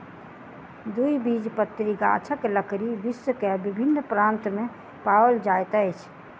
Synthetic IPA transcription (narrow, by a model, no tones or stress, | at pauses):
d̪uibid͡ʒpət̪ːɾiɡa̰t͡ʃʰəkləkɾibisəkebibʱinːpɾant̪me | paəld͡ʒajt̪əjt͡ʃʰ